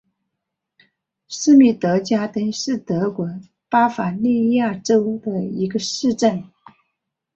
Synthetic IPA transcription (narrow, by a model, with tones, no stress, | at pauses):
ʂɻ̩˥mi˥˩t̪ɤ˧˥t͡ɕja˥t̪ə˥nʂɻ̩˥˩t̪ɤ˧˥kwɔ˧˥ | pa˥fa˨˩li˥˧ja˥˩ʈ͡ʂo˥ʊd̪ə˨i˧˥ɡə˧ʂɻ̩˥˧ʈ͡ʂə˥˩n